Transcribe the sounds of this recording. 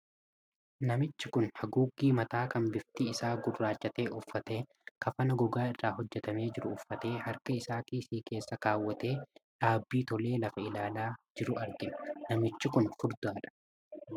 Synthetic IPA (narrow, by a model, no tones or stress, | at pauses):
nɐmɪt͡ʃːɪkʊnhɐɡuːɡiːmɐt̪aːkɐnbɪft̪ɪɪsaːɡʊrːaːd͡ʒːɐt̪e̞ːʔʊfːɐt̪e̞ː | kɐfɐnɐɡɔɡaːɪrːaːhɔd͡ʒːɛt̪ɐme̞ːd͡ʒɪɾʊʊfːɐt̪e̞ːhɐɾkɐɪsaːkiːsiːke̞ːsːɐkaːwːɐt̪e̞ːᶑaːbːiːt̪ɔle̞ːlɐfɐɪlaːlaːd͡ʒɪɾʊɐɾɡɪmɐ̥nɐmɪt͡ʃːɪkʊnfʊɾd̪ʊaːᶑɐ̥